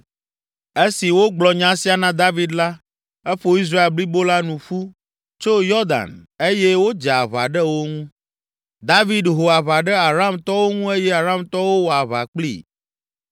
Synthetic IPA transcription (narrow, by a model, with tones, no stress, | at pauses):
e˦si˨wo˦ɡ͡blɔ˨ɲã˦si˦a˨nã˦d̪a˦vi˦d̪la˦ | e˦ɸo˦i˦s̬ɾa˦e˨lbli˦bo˦la˦nũ˨ɸu˦ | t͡ʃo˦jɔ˦d̪a̰˨ne˦je˦wo˦d͡ʒa˨a˨βa̰˨ɖɛ˦wo˦ŋũ˦ | d̪a˦vi˦d̪ɦo˨a˨βa˨ɖɛ˦a˨ɾa˦mt̪ɔ˦wo˦ŋũ˦e˦jɛ˦a˨ɾa˦mt̪ɔ˦wo˦wo˨a˨βa̰˨k͡plḭ˦˨